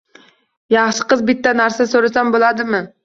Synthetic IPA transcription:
jɑχʃɪ̥qɨzbɪt̪ːɛnæɾsasoɾasambolˠɑd̪ɪmɪ

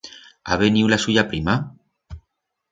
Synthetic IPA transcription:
a̰βeniwlasuʎapɾima

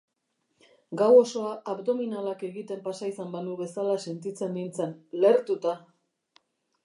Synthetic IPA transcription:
ɡawo̞so̞aʔːβd̪o̞minalake̞ɣit̪e̞mpasaisambanuβe̞salase̞nt̪it͡se̞nːint͡sanle̞ɾt̪ut̪a

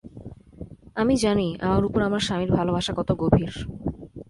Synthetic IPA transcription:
amid͡ʑania̰maɾupoɾamaɾʃamiɾbʱalobʱaʃakɔt̪oɡobʱiɾ

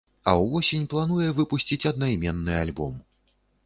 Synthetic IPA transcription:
ɐ̰wvɔsʲenʲplˠanujɛvɨpusʲt͡sʲit͡sʲɐd̪̚najmʲɛnːɨalʲbɔ̰m

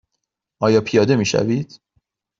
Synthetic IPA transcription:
ʔɒːjɒːpʰijɒːd̪e̞miːʃæ̰viːd̪̥

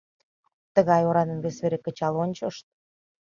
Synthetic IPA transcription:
t̪əɣɑjoɾɑnə̆nβesβeɾekə̆t͡ɕɑlonʲt͡ɕəʃt̪̚

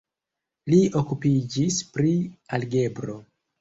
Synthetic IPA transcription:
lio̞kupid͡ʒispɾialɡe̞bɾo̞

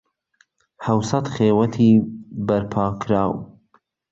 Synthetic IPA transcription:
hɐwsɐt̪χeːwɐt̪ʰiːbɐɾpʰɑːkʰɾaːw

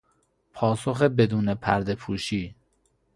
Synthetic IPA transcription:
pʰɒːsoxebed̪uːnepʰæ̰ɾd̪e̞pʰuːʃiː

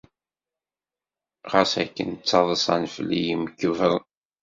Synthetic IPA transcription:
ʁəsæ̰kːə̰nt͡sːɑðˤəsˤɑnflːijiməkːəvəɾ

